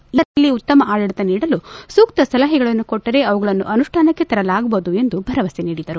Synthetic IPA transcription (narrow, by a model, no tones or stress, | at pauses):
ɐlːiut̪ːɐmɐʔaːjɐɽit̪ɐniːɽɐlusuːkt̪ɐsɐlɐɦiɡɐɭɐnːukoʈːɐɾe̞ɐʋɐɡɐɭɐnːuʔɐnuʂʈʰaːnɐkːe̞t̪ɐɾɐlaːɡɐboːd̪ue̞nd̪ubʱɐɾɐʋɐsiniːɽid̪ɐɾu